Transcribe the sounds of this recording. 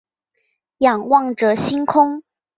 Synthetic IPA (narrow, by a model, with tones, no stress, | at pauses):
jɑ˨˩ŋwɑ˥˩ŋʈ͡ʂɤ˨˩˦ɕi˥ŋkʰʊ˥ŋ